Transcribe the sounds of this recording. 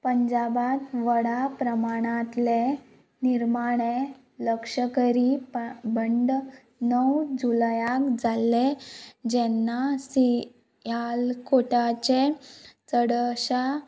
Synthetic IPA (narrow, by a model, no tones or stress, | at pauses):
pəɲd͡ʑabat̪ʋəɽapɾəmaɽ̃at̪le | niɾmaɽ̃e | ləkʂəkəɾipbəɳɖ | nəwd͡ʑulajakd͡zalːed͡ʑɛnːasi | jalkoʈat͡ɕet͡səɽɕa